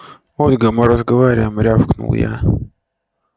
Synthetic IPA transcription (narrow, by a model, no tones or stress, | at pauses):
olʲɡəmɨɾəzɡəvaɾʲɪjəmɾʲafknṵlˠja̰